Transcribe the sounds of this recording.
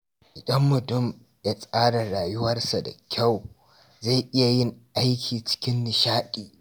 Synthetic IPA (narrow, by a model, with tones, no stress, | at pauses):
ʔʼɐ˦mːʊ˨tʊ˦m | da˨sʼaː˦ɽɐ˨ɽaː˨jʊ˦wɐ˦rsa˨da̰˨kʲʰa˦˨w | za˦˨ʔɪ˦ja˨jɪ˦˨ŋʔa˦jkʲʰiː˨t͡ʃɪ̥˦kʲɪ˦nːɪ˨ʃaː˦ɗʼiː˨